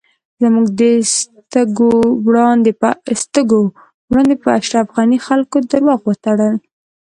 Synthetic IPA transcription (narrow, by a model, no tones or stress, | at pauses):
zəmuɡd̪əst̪əɡowɽɑnd̪epəst̪əɡo | wɽɑnd̪epəaʃɾafɣɑnixalkod̪əɾwɑɣwət̪aɽəl